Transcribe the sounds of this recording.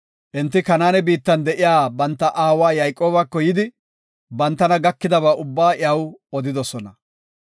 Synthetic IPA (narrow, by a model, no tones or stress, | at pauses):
ʔɪnt̪ːɪkɐnaːnɛbiːt̪ːɐnd̪ɛʔɪjaːbɐnt̪ːɐʔaːwaːjɐjkʼo̞ːbɐkːɔjɪd̪ɪ | bɐnt̪ːɐnɐɡɐkːɪd̪ɐbaːʔʊbːaːʔɪɐwɔd̪ɪd̪ɔsɔnɐ